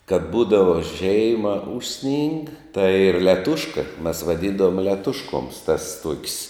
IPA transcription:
kɐt ˈbuːdɐʋɐ ˈʒʲɛɪmɐ ˈʊʃʲˌsʲnʲɪŋk tɐɪ ˈiːr lʲɛˈtʊʃkɐ mʲɛs ʋɐˈdʲiːndɐʋoːm lʲɛˈtʊʃkoːms tɐs tuɔkʲs

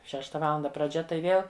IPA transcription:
ˈʃʲæːʃtɐ ˈʋɑːlˠɐndɐ prɐˈd͡ʒʲɛ tɐɪ ˈʋʲeːlˠ

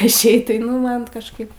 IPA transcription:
ɪʃʲˈɛɪt tɐɪ ˈnʊ ˈmɐn nʊ kɐʃˈkɐɪp

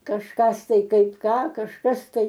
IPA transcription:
kɐʃˈkɐs ˈtɐɪ ˈkɐɪp ˈkɑː kɐʃˈkɐs ˈtɐɪ

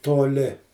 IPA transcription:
toːˈlʲɪ

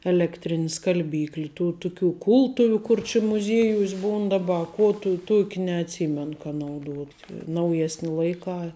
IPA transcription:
ɛlʲɛkˈtʲrʲɪnʲɪ skɐlʲˈbʲiːklʲɪ ˈtuː ˈtʊˌkʲuː ˈkʊlˠtʊʋʲʊ ˈkʊr t͡ʃʲɪ mʊˈzʲiɛjuɔsʲ ˈbuːn dɐˈbɐ ɐ ˈkuɔ tuː ˈtuɔkʲ nʲɛɐtʲˈsʲiːmʲɛn kɐ nɐʊˈduɔtʲ nɐʊˈjæːsʲnʲɪ ˈlˠɐɪˌkɑː

